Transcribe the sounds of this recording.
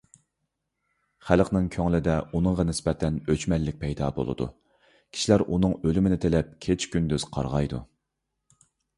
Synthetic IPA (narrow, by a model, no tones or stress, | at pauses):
χælqnɪŋkʲʰøŋlɪd̪ɛunɨŋʁɑnɪsbɛt̪ʰɛnøt͡ʃmɛlːɪk̚ʲpʰɛjd̪ɑːbo̰lˠɨ̰d̪ṵ | kʲʰi̥ʃilæɾʔunɨŋølymɪnɪt̪ʰelɛp̚kʲʰet͡ʃkʲynd̪øz̥qʰɑ̰ɾʁɑjd̪ṵ